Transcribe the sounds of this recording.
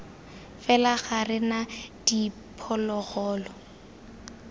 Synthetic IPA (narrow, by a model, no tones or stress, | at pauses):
fɛlaɣarɪnad̥i | pʰɔlɔɣɔːlɔ